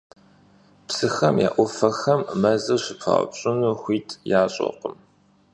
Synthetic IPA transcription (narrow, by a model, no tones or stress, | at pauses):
psɨxɐmja̰ːʔʷɔfɐxɐmːɐzɨɕɪpʰɐ̰ʁ̰pɕʼɪnuxʷiːtʰjaːɕʼo̰qəm